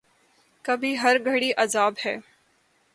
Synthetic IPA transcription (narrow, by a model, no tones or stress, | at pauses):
kɐbʱiɦɐɾɡʱɐɽiʔɐzaːbhɛː